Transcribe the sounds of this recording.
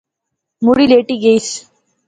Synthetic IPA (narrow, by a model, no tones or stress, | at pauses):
muɽileːʈiɡeis